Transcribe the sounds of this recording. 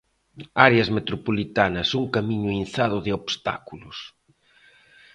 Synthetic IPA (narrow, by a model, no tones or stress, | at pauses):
aɾeɐzmet̪ɾopolit̪anɐsuŋkamiɲʊin̟θaðʊðɪoβst̪a̰kulʊs